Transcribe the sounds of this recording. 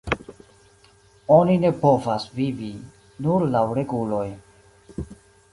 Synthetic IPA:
onine̞po̞vasvivi | nuɾlawɾe̞ɡulo̞j

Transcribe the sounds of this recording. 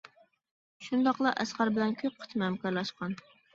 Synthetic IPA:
ʃund̪ɑqlˠɑʔɛsqæɾbɪlɛnkʲʰøp̚qʰə̥t͡ʃ̪ʰmɛmkɑɾlˠɑʃqɑn

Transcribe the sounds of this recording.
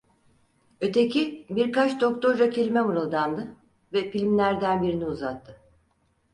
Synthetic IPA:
ø̞t̪ʰecibiɾkat͡ʃd̪o̞k̚t̪ʰo̞ɾd͡ʒacʰe̞lʲimemuɾɯlˠd̪and̪ɯ | vɛfilʲmlʲæɾd̪ænbiɾiniuzat̪ʰːɯ

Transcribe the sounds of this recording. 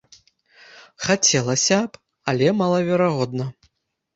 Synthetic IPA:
xat͡sʲɛlˠɐsʲɐp | alʲɛmalˠɐvʲɛɾaɣɔd̪nɐ

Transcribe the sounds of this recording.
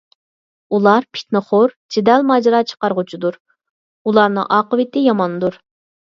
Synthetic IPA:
ulˠɑɾpʰi̥t̪nɨχoɾ | d͡ʒɪd̪ɛlmɑd͡ʒɾɑt͡ʃʰə̥qɑɾʁʊt͡ʃʰid̪uɾ | ulˠɑɾnɨ̰ŋʔɑːqəwɪt̪ɪjɑmɑnd̪uɾ

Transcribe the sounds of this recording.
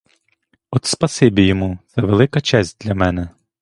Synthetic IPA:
ɔt̪spɐsɪbʲijɔmut̪sɛʋelˠɪkɐt͡ʃɛsʲt̚ʲd̪lʲɐmɛnɛ

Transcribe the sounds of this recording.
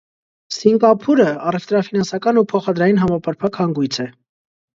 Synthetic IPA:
siŋɡɑpʰuɾəɑrɛft̪ɾɑfinɑnsɑkɑnupʰɔχɑd̪ɾɑjinɦɑmɑpɑɾpʰɑkʰhɑŋɡujt͡sʰɛ

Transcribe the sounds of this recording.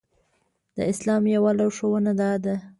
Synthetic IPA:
d̪̥ə̰ɪslɑmjawalawʂowanad̪ɑd̪a

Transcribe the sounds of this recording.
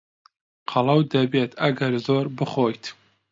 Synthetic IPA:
qʰɑlˠɐwd̪ɐbeːt̪ʰɐɡɐɾzoːɾbɨχoːjt̪ʰ

